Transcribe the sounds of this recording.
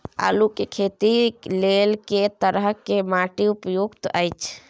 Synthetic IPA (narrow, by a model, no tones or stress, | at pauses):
a̰lukekʰet̪ilelket̪əɾəɦkemaʈiupjoɡt̪ʔəjt͡ʃʰ